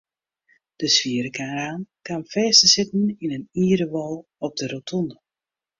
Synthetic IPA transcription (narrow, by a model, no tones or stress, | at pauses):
d̥əsʋiəɾəkʰaːraːnkanfɛːsəsɪtn̩inəniːɾəʋɔlˠ | ɔp̚dəɾotʰɔnə